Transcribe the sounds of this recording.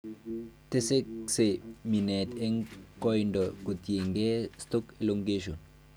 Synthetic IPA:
te˦se˦ksemi˨nɛte˦ŋkɔjndɔ˨ko˨tje˨ŋɡe˦stɔ˦keloŋɡe˦ʃo˨n

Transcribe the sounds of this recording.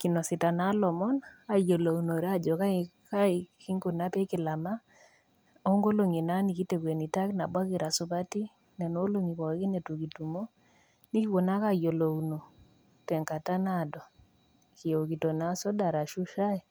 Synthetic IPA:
ki˨nɔ˨si˨ta˨na˦lɔ˨mɔ˦na˨jo˨lo˨u˨no˨ɾa˦d͡ʒɔ˨ka˦ika˦i˨ki˦ŋɡu˨na˦pe˦kɪ˨la˨ma˦ | o˦ŋɡo˦lo˨ŋi˨na˦ni˨ki˦te˨kwe˨ni˨ta˦kna˨bwa˦kɪ˨ɾa˨su˦pa˦ti˦ | nɛ˨no˦lo˦ŋi˨kɔ˨˦ki˦ne˨tu˨ki˨tu˨mo˦ | ni˦ki˦wo˨na˦ka˦jo˨lo˨uno˨ | tɛ˨ŋka˨ta˦na˨dɔ˨ | ki˨o˨ki˨to˨na˦sɔ˦da˨ɾa˨ʃu˦ʃa˦ɛ˨

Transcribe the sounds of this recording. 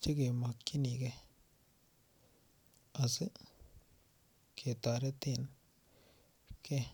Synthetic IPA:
t͡ʃi˦ke˨ma˨kkːi˦ni˨ke˧ | a˨sɨ˦ | kʰe˨t̪a˨ɾe˦t̪e˦˨n | ke˦

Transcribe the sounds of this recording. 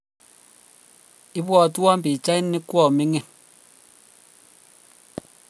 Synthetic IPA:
i˦bwɔ˦˨tu˦a˦m˦pi˨t͡ʃa˦i˦nːi˦kwɔ˦˨mi˦ŋɛ˨

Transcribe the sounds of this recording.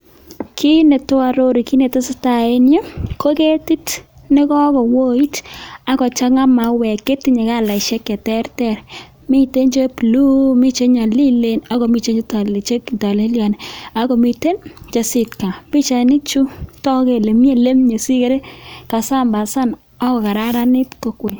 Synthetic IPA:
kʰi˦ne˨tʊ˦a˨ɾo˦ɾi˨ki˦ne˨ta˦sɪ˦ta˨e˦njo˦ko˦ke˦ti˦t | nɪ˦kɔ˦kɔ˨wo˦i˦ta˦ɡɔ˨t͡ʃa˦ŋa˦ma˨wɛ˨ke˦tɪ˦ɲe˨ka˦˨la˨ʃɛ˦kɛ˨tɛ˦ɾtɛ˦˨ɾ | mi˦te˦nd͡ʒo˦plu˦mi˦t͡ʃe˦ɲa˨li˦le˦na˨kɔ˨mi˦˨t͡ʃe˦ɲd͡ʒta˨le˨t͡ʃe˦kta˨le˦lja˨nɛ˨a˦kɔ˨mi˨te˦nt͡ʃa˨sɪ˨tka˨bi˦t͡ʃa˨nɪ˦t͡ʃu˦tɔ˦ke˨le˨mje˦le˦mɲo˨si˦ke˨ɾe˦ka˨sa˦˨mba˨sa˦n | ɔ˦kɔ˨ka˨ɾa˦ɾa˦nɪ˦tko˨kwe˨

